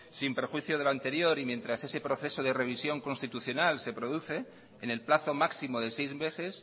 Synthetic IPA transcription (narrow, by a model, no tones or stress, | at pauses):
simpe̞ɾxwiθjoð̞elant̪e̞ɾjo̞ɾimje̞nt̪ɾase̞se̞pɾo̞θe̞so̞ðere̞β̞isjo̞ŋko̞nst̪it̪uθjo̞nalse̞pɾo̞ðuθe̞ː | ne̞lplaθo̞maksimo̞ðe̞sejzβe̞θe̞s